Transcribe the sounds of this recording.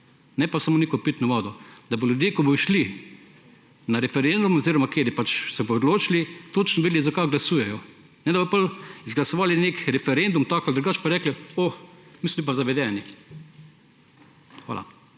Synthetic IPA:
nɛpasamoːneːkɔpit̪nɔʋaːd̪ɔd̪ɐboljʊd̪jeːkɔbɔʃli | naɾɛfɛɾend̪umoziɾɔmakeːɾɛpat͡ʃsɛbɔod̪loːt͡ʃilit̪oːt͡ʃnɔʋed̪lizakajɡlasuːjɛjɔ | nɛd̪abɔpalizɡlasɔʋaːlinekɾɛfɛɾend̪umt̪aːkald̪ɾuɡaːt͡ʃpaɾɛːklɛomismɔlip̬azaʋɛd̪ɛːni | xʋa̰la̰

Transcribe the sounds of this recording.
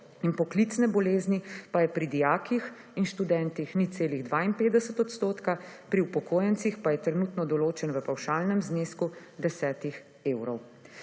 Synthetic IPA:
inpɔklit̪snɛbɔleːznipajɛpɾid̪ijaːkix | inʃt̪ud̪ɛnt̪ixnit̪seːliɣd̪ʋaːinpeːd̪ɛsət̪ɔt̪st̪oːt̪kapɾiupɔkoːjɛnt̪sixpajɛt̪ɾɛnut̪nɔd̪ɔloːt͡ʃɛnʋəpawʃaːlnɛmznesku | d̪ɛsɛːt̪ix | eːwɾɔw

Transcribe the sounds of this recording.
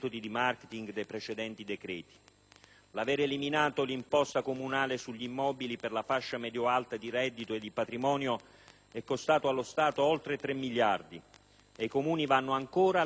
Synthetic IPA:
t̪od̪id̪imarket̪iŋɡd̪ejpɾet͡ʃed̪ɛnt̪id̪ɛkɾɛːt̪i̥ | lavɛːɾeliminaːt̪olimpɔst̪akomunaːlesuʎːimːɔːbiliperlafaʃːamɛd̪joalt̪ad̪iɾɛd̪ːit̪oed̪ːipat̪ɾimɔːnjo | ɛkːost̪aːt̪oalːost̪aːt̪oɔlt̪ɾet̪ɾemːiʎːard̪i | ejkomuːnivanːoaŋkoːɾa

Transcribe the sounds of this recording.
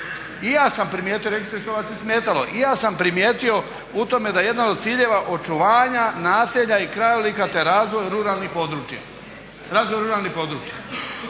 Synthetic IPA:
ijaːsampɾimjeːt̪ijo̞ɾeɡist̪ɾest̪oɡasesmeːt̪alo̞̰ʔijaːsampɾimjeːt̪io̞ | ut̪o̞me̞d̪ajeje̞d̪anod̪̚t̪siːʎe̞ʋaʔo̞t͡ʃuʋaːɲanaːseʎaikɾajolikat̪eɾaːzʋojɾuɾaːlˠnipo̞d̪ɾut͡ʃja̰ | ɾaːzʋojɾuɾaːlˠnipo̞d̪ɾuːt͡ʃja

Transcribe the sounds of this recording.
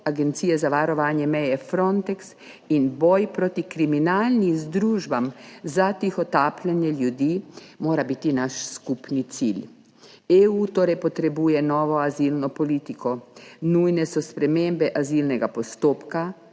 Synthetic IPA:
aɡɛnt̪siːjɛzaʋaɾɔʋaːnjɛmɛjɛfɾɔnt̪ɛks | inbɔjpɾot̪ikɾiminalnizd̪ɾuːʒbamzat̪ixɔt̪aːplɛnjɛljud̪iːmoːɾabit̪inaʃskupnit̪sil | eut̪oːɾɛjpɔt̪ɾɛbuːjɛnɔːʋɔazilnɔpɔliːt̪ikɔnujnɛsɔspɾɛmeːmbɛʔazilnɛɡapɔst̪oːpka

